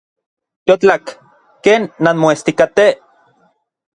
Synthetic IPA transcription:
t̪jot͡ɬakː | eːnːanmoest̪ikat̪e

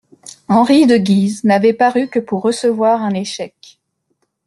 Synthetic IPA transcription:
ɑ̃ʁid̪əɡʲiznavɛpaʁykəpuʁːəsəvwaʁɛ̃neʃɛk

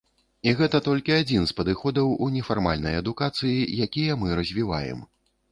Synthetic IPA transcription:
iɣɛt̪ɐt̪ɔlʲkʲiad͡zʲinspɐd̪ɨxɔd̪ɐwunʲɛfarma̰lʲnɐ̰jɐd̪ukat̪sɨjijakʲijɐmɨɾɐzʲvʲiva̰jɛ̰m

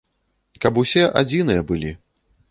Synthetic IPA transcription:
kɐpusʲɛʔad͡zʲinɨjɐbɨlʲi

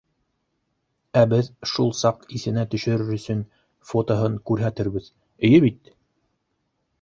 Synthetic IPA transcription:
æbɘðʃulˠsɑqiθɘ̆næt̪ɵ̆ʃɵ̆ɾɘɾɵ̆sɵn | fot̪oɦɤŋkʉɾɦæt̪ɘɾβɘð | ɵ̆jɘβit̪̚

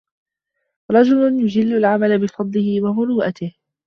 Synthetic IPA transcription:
ɾˤɑd͡ʒʊlʊnjʊd͡ʒɪlːʊlʕamalabɪfɑd̪ˤlɪhɪwamʊɾuːʔat̪ɪh

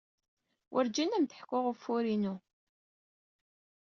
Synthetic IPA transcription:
wʔʊ̰ɾd͡ʒænæmt̪əħkːʊʁəfːuɾinu

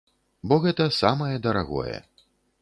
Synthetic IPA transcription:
bɔɣɛt̪ɐsamɐjɛd̪ɐɾaɣɔ̰jɛ̰

